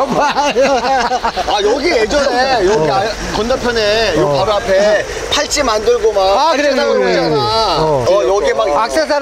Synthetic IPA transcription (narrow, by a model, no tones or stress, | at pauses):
ma | ajʌɡijed͡ʑʌnejʌa | kʌndapʰjʌnejop͈abapʰe | pʰaɭt͡ɕ͈imandɯɭɡomanakɯɾeaaa | jʌɡimakak̚s͈es̬ʰaɾ